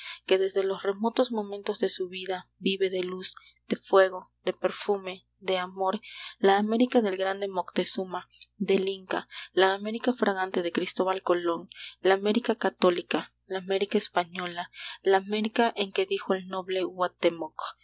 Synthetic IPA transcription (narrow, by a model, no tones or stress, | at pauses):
ke̞ðe̞zðe̞lo̞sre̞mo̞t̪o̞zmõ̞mẽnt̪o̞zðe̞suβiðabiβe̞ðe̞luz | d̪̥e̞fwe̞ɣo̞ð̥e̞pe̞ɾfume̞ | d̪e̞amoɾlaːme̞ɾikaðe̞lɡɾand̪emo̞kt̪e̞sumad̪e̞liŋkalaːme̞ɾikafɾaɣant̪e̞ðe̞kɾist̪o̞βalko̞lo̞ŋlaːme̞ɾikakat̪o̞lika | laːme̞ɾikaespaɲo̞lalaːme̞ɾikaʔeŋke̞ðixo̞e̞lno̞βle̞ɣwat̪emok